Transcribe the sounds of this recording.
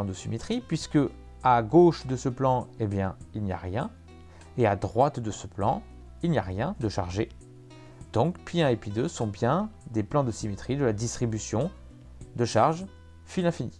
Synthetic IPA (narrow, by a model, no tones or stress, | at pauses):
d̪əsimet̪χipɥiskə | aɡoʃd̪əsəplɑ̃ebjɛ̃ilnija̰ʁjɛ̃ | ead̪ʁwat̪d̪əsəplɑ̰̃ | ilnjaʁjɛ̃d̪əʃa̰ʁʒe | d̪̥ɔ̃kpɥiɛ̃epɥid̪øsɔ̃bjɛ̃d̪eplɑ̃d̪əsimet̪χid̪əlad̪ist̪χibysjɔ̃ | d̪əʃaʁʒ | filɛ̃fini